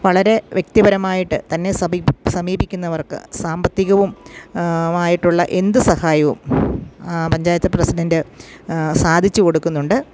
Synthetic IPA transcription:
ʋɐɭɐɾe̞ʋjek̚t̪ibɐɾɐmaːjiʈːɨt̪ɐnːe̞sɐsɐmiːbikʲːunːɐʋɐrkɨ̰saːmbɐt̪ːiɣɐʋum | aːjiʈːuɭːɐʔe̞nd̪ɨsɐhaːjɐʋṵm | pɐɲd͡ʑaːjɐt̪ːɐprɐsiɖɐndɨ | saːd̪ʱit͡ɕːɨko̞ɽukːunːuɳɖɨ

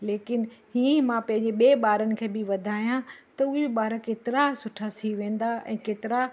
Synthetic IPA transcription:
leːkɪnɦiːẽmãpɐ̃ɦɪ̃ɲd͡ʑeɓeːɓaːɾənɪ̆kʰeːbɪʋɐd̪ʱaːijãt̪ɐʊɦeɓaːɾəkeːt̪ɪɾasʊʈʰat̪ʰiʋẽːn̆d̪aʔɛ̰̃ːkeːt̪ɪɾa

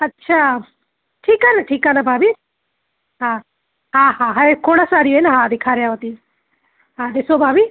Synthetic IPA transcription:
ɐtːʃʰaː | ʈʰiːkanaʈʰiːkaːnabʱaːbʱi | ɦãː | ɦãːɦãɦaekʰoːɽasaːɾijoenaɦãd̪ɪkʰaːɾjaɦot̪i | ɦãd̪ɪsobʱaːbi

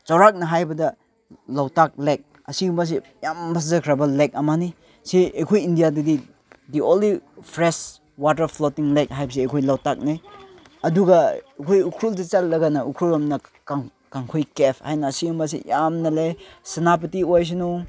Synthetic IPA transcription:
t͡ʃawɾak̚nɐɦajbɐdɐ | lawtak̚lek̚ | ɐsiɡumbas̬i | jambas̬zɐkʰɾabɐlek̚ɐmani | siejkʰojindijadidi | diolipʰɾes | wat̬ɐɾpʰlotiŋlek̚ɦajbɐs̬iejkʰojlawtak̚naj | ɐduɡɐekʰojukʰɾuld̬it͡ʃalːɐɡanɐukʰɾulamnɐkaŋ | kaŋkʰojkepʰhajnɐːsiɡumbas̬ḭjamnɐlesɐnap̬itiojs̬inu

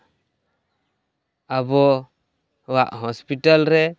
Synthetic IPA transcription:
abɔ | waʔɦɔspiʈalɾɛ

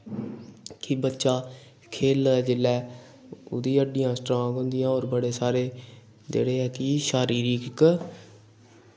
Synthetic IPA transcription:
kibətːʃaː | kʰeːlːd͡ʒɪlːɛː | ʊ̰d̪iːəɖːɪjãːsʈɾõːŋɡɦʊ̃nd̪ɪjãːoːɾbəɽeːsaːɾeː | d͡ʒḛːɽeːɛːkiʃaːɾiːɾiːk

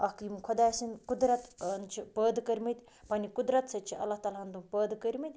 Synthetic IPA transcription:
ɐkimkʰod̪aːsinkud̪ɾɐt̪nt͡ʃʰipəːd̪kɐɾʲmit̪ʲ | pɐnikud̪ɾɐt̪sɐt͡ʃʰiɐ̰lːaht̪aːlaɐnd̪umpəːd̪kɐɾʲmit̪ʲ

